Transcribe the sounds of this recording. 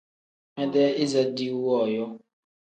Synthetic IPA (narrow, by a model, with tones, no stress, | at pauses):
mɛ˦dɛ˦i˦za˦di˦wɔ˦˨jɔ˦